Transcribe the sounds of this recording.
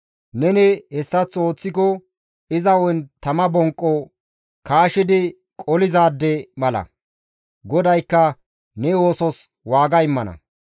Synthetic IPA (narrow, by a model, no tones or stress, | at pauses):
nɛnɛhɛsːɐt͡so̞ːt͡sːɪkɔ | ɪzɐwɔjnt̪ɐmɐbɔŋkʼːɔ | kaːʃɪd̪ɪ | kʼɔlɪzaːd̪ːɛmɐlɐ̰ | ɡɔd̪ɐjkːɐ | nɛoːsɔs | waːɡɐɪmːɐnɐ̰